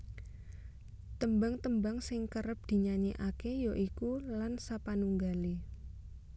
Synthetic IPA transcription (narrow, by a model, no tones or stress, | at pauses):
t̪əmbaŋt̪əmbaŋsɪŋkəɾəp̚d̪̥i̤ɲaɲeʔakejoʔikulansapanuŋɡali